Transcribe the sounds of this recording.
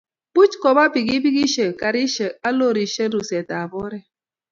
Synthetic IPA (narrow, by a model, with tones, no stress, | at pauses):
b̥u˦t͡ʃkɔ˨ba˦bi˨ɡi˦bi˦ɡi˦ʃe˨ka˨ɾi˦ʃe˨a˦lo˦˨ɾi˨ʃe˦ɾu˨se˨ta˨bɔ˦ɾɛ˦